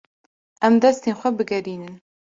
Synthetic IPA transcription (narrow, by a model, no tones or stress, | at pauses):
ʔɛmd̪ɛst̪eːnxʷɛbɨɡɛɾiːnɨn